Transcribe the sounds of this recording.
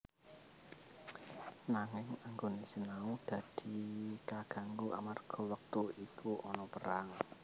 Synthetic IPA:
naŋɪŋaŋɡonisənaud̪̥ä̤d̪̥i̤kaɡ̥a̤ŋɡuʔa̰marɡ̥ɔ̤wək̚t̪uikʰuʔɔnɔpəɾaŋ

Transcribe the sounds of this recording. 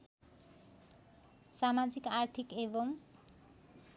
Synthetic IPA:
samad͡zikaɾt̪ʰikeboŋ

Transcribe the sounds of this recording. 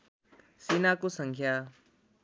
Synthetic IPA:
sinakusə̃ŋkʰja

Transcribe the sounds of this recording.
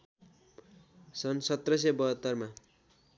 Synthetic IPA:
sʌnsʌt̪rʌs̬ʌbʌɦʌt̪ːʌrma

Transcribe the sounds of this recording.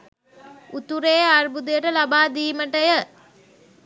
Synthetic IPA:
ut̪uɾeːarbud̪ujəʈəlabaːd̪iːməʈəjə

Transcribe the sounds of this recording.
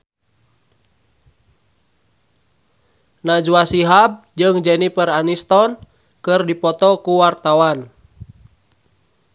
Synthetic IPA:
nad͡ʒuwasiɦab̚d͡ʒɨŋd͡ʒɛnipəranist̪ɔn | kɨrdipɔt̪ɔkuwart̪awan

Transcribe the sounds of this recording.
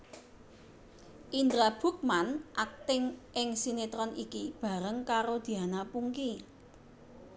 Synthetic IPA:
ʔind̪ɾab̥ṳk̚manʔak̚t̪ɪŋʔɪŋsinet̪ɾɔnikib̥ä̤ɾəŋkaɾod̪̥i̤anapuŋki

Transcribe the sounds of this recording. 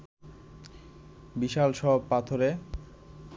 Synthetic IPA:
biʃalʃɔbpat̪ʰoɾe

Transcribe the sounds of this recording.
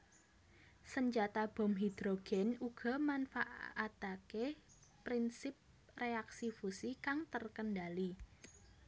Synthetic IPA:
səɲd͡ʒat̪ab̥ɔ̤mɦid̪̥ɾoɡ̥ɛnuɡ̥ɔ̤manfaʔʔat̪ake | pɾinsɪp̚ | reaksifusikaŋt̪ərkəndali

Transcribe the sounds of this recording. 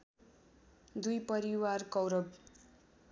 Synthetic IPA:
d̪ujpʌɾiwarkʌwɾʌb

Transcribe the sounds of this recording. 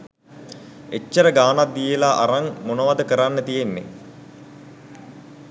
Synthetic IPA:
et͡ʃːəɾəɡaːnat̪̚d̪ijelaʔaɾaŋmonəʋad̪əkəɾanːət̪ijenːḛ

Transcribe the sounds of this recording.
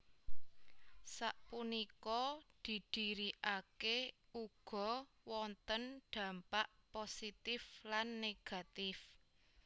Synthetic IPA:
saʔpunikɔd̪̥i̤d̪̥i̤ɾiʔakeuɡ̥ɔ̤ | wɔnt̪ənɖ̪̥ä̤mpaʔposit̪ɪflanːeɡ̥a̤t̪ɪf

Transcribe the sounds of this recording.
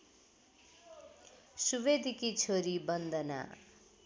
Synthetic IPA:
suβed̪ʱikit͡sʰoɾibʌnd̪ʌna̰

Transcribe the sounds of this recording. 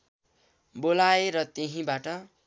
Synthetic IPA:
bolaeɾʌt̪eɦĩbaʈʌ

